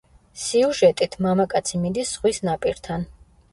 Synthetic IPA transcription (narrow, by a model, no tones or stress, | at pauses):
siuʒɛt̪ʼit̪ʰmamakʼat̪sʰimid̪isːʁwisnapʼiɾt̪ʰan